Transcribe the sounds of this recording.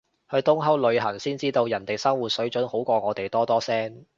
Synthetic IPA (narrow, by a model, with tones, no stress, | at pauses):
hɵ˧ɥt̪ʊ˥ŋɦɐ˥wlɵ˨˧ɥɦɐ˨˩ŋsiː˥nt͡siː˥t̪o˧wjɐ˨˩nt̪e˨jsɐ˥ŋwuː˨t̚sɵ˨˥ɥt͡ʃɵ˨˥nho˨˥wkʷɔː˧ŋɔː˨˧t̪e˨jt̪ɔː˥t̪ɔː˥sɛː˥ŋ